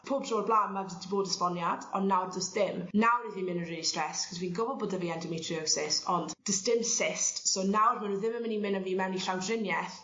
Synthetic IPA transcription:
pʰoːb̚tʰroːblˠaːnmaddiboːdəspɔnjadɔnːawd͡ʒəstðɪmnawɾiðimɪ̃nənriːlˠistrɛskʰɔsviːnɡʊvɔlˠboːdəviːɛndəmetʰriɔsɪsɔnd̥d̥ɪstɪmsɪstsonawr̥manuðɪməmənimɪnənviːmɛwniɬawdrɪnjɛθ

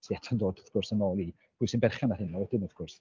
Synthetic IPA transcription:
siɛtʰandoːdəvɡ̥ʊrsənoːlˠi | pʰuːɨsɪnbɛrχanahɪnɔwɛdɪnəvɡ̥ʊrs

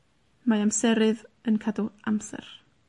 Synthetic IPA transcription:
maamsɛɾɨðənkʰaduamsɛ̰r

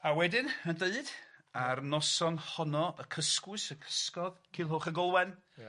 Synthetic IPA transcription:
awɛdɪnəndeɨdarnɔsɔnhɔnɔʔəkʰəskwʊɨsəkʰə̥skɔðkʰilˠɦoːχəɡɔlˠwɛn

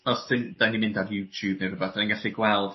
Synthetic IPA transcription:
ɔsdɪnd̥animɪ̃ndarjuːtʰjub̚newrʊbaθanĩnɡaɬiɡwɛlˠd̥

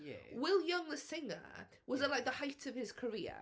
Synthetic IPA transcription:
wɪlˠjʌ̃ŋðəsɪ̃ŋə̰ | wɒzəlaɪk̚ðəhaɪtʰəv̥ɪz̥kʰəɹḭːə̰

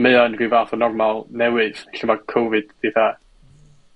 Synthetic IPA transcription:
meɨanrivaːθɔnɔrmalˠnɛwɨð̥ɬəmakʰovɨd̥diθa

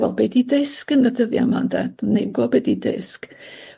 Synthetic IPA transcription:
vɛ̰lˠbedidɪskənədəðja̰mandɛdnːejɡɔbedidɪ̰sk

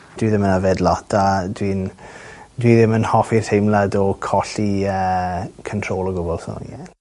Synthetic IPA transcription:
d̥wiðɪmənavɛdlɔtʰadwin | dwiðɪmənhɔfirθejmladɔkʰɔɬiəːkʰəntʰroːlˠɔɡʊbɔlˠsɔ̰ɛn

